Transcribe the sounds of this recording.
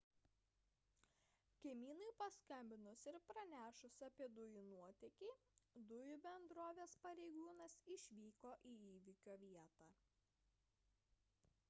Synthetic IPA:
kʲɛmʲiːnɐɪpɐskɐmʲbʲɪnʊsɪɾpɾɐnʲæːʃʊsɐpʲiɛd̪ʊjunuɔt̪ʲɛkʲiː | d̪ʊjʊbʲɛnd̪ɾoːʋʲeːspɐɾʲɛɪɡuːnɐsɪʃʲʋʲiːkoːʔiːiːʋʲɪkʲoːʋʲiɛt̪ɑː

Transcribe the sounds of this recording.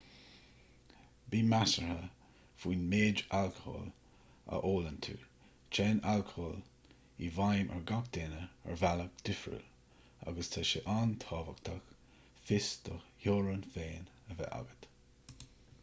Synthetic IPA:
biːmasəɹhə | fiːnmeːd͡ʒalkəho̰ːl | ə̰ʔoːlənt̪ʰṵːɹ | t͡ʃʰɛːnalkʰəhoːl | ivajmʔɛ̰ɹɡak̚d̪eːnəɛ̰ɹvalək̚d̪̥ɪfɾṵl | a̰ɡəst̪ʰaʃəʔaːnt̪ʰɑːvək̚t̪ʰax | fɪsd̪̥ɔhoːɾənfeːnəvɛ̰ʔa̰ɡət̪

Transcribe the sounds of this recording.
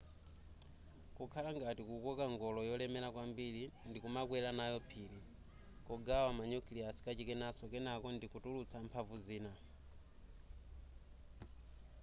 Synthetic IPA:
kukʰalaŋɡatikukɔkaŋɡɔlɔjɔlɛmɛlakwambilindikumakwɛlanajɔpʰili | kɔɡawamaɲuklijasi̥kat͡ʃikɛnasɔkɛnakɔndikutulut͡sʰampʰavuziːna

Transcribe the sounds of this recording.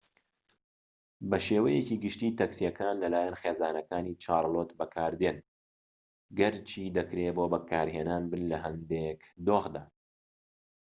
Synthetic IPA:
bɐʃeːwɐjeciːɡɨʃt̪iːt̪ɐksijɐkaːnlɐlaːjɐnxeːzaːnɐkaːnit͡ʃʰaːɾˤlˠoːt̪bɐkʰaːɾd̪eːn | ɡɐɾt͡ʃʰiːd̪ɐkɾeːboːbɐkʰaːɾɦeːnaːnbɨnlɐɦɐnd̪ekd̪oːɣd̪aː

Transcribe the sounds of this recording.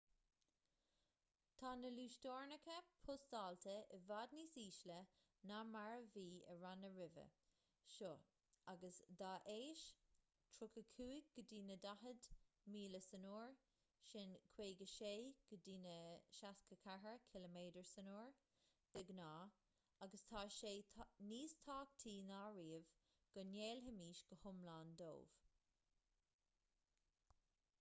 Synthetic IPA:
t̪ʰɑnəluːʃtɔːɹnəkʰəpʰʊsd̪ɑːltʰəɪvadniːsiːʃlə | namaɹəviːə̰ɹanəɹɪvə̰ | ʃoː | aɡəsd̪aːʔeːʃ | tʰɹʊkəkʰuːɡ̥ədiːnədaɦədmiːləsənuːɹ | ʃɪnkʰweːɡəʃeːɡ̥ədiːnəʃaskəkʰaɦəɹkʰɪləmeːdəɹsənuːɹ | b̥ɪɡnaː | aɡəst̪ʰaːʃeːniːst̪ʰaːk̚t̪ʰiːnaːɹiːəv | ɡ̥əneːlɦəmiːʃɡ̥əhʊmlaːnd̪o̰ːv̥

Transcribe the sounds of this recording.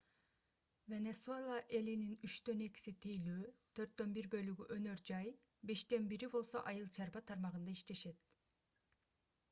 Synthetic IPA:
ve̞ne̞suelˠaʔe̞lininyt͡ʃt̪ø̞ne̞ki̥sit̪ʰijløːt̪ʰø̞ɾt̪ːø̞nbiɾbø̞lyɡyʔø̞nø̞ɾd͡ʒɑjbe̞ʃt̪e̞nbiɾibo̞lˠso̞̰ʔɑjɯlˠt͡ʃʰɑɾbɑt̪ʰɑɾmɑʁɯnd̪ɑiʃt̪e̞ʃe̞t̪̚

